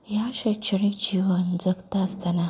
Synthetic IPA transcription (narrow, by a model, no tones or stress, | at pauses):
jaːʃat͡ʃɪɾit͡ʃiwɐnzɐktastɐna